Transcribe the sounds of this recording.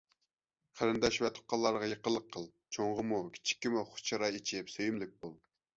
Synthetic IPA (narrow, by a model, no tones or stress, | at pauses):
χəɾɪnd̪ɛʃvɛt̪ʰo̥qːɑlˠːɑɾʁɑjeqəlˠːəqʰːəlˠ | t͡ʃʰoŋʁəmukʲʰi̥t͡ʃʰi̥kʲːimuχʊ̥t͡ʃʰɑɾɑit͡ʃʰɪpsøjymlɪk̚ʲbulˠ